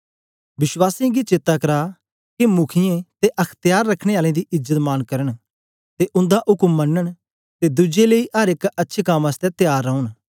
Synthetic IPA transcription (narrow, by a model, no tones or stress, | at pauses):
ʋɪswaːsĩɡit͡ʃeːt̪ːakɐɾa | kemʊkʰɪjẽt̪eʔɐkʰt̪jaːɾːɐkʰɽ̃eaːlẽd̪iʔɪzət̪maːnkɐɾəɽ̃ | t̪eʔʊ̃nd̪aʔʊkəmːɐnːəɽ̃ | t̪ed̪ʊd͡ʒeleiʔɐɾɪkɐtːʃʰekɐmɐst̪ɛt̪jaːɾːɐɦũn